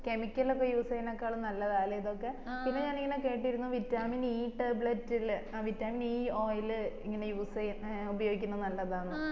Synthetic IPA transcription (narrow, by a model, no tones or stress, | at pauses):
ke̞mikʲːɐlokːejuːsɐjinokːejaːɭɨnɐlːɐðaːlɐjɐðo̞kːe̞pinːeɲaːniŋːɐne̞ke̞ːʈːiɾunːuʋitːaːminiːʈebɭetːilʋitːaːminiːo̞ːjilɨḭŋːɐne̞juːsɐjnubɐjo̞ːɡikʲːunɐɨnɐlːɐðaːɳːɨ